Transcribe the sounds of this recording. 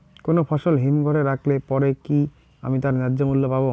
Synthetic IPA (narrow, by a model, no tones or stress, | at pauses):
konopʰɔʃolɦimɡʱɔɾeɾakʰlepɔɾeki | a̰mit̪aɾnadːd͡ʑomulːopabo